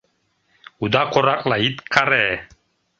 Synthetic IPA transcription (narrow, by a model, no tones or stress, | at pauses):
ud̪aqorakʼlait̪kʰarɛ